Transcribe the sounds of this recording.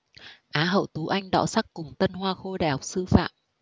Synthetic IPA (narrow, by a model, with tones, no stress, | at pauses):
ʔaː˨˦ɦə̰˧˨wt̪u˨˦ʔa˧jŋ̟ɗɔ̰˧˥sa˦˥kːʊ˨˩ŋ͡mt̪ə˧nɦwaː˧xo˧ɗaː˨˩jha˨˩k͡p̚sɨ˧fa̰ː˧˨m